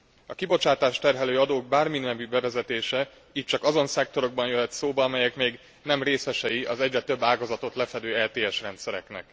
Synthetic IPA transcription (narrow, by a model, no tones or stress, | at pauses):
ɒkibo̞t͡ʃaːt̪aːʃt̪ɛrɦɛløːɒd̪oːɡ̚baːrminmɛbybɛvɛzɛt̪eːʃɛ | iːc̚t͡ʃɒkɒzo̞nsɛk̚t̪o̞ɾo̞ɡ̚bɒnjøɦɛt̪soːbɒɒmɛjɛkmeːɡ | nɛmreːsɛʃɛjiɒzɛɟrɛt̪ø̞bːaːɡɒzɒt̪o̞t̪lɛfɛd̪øːɛlt̪eːɛʃrɛnt̪sɛɾɛ̰knɛ̰k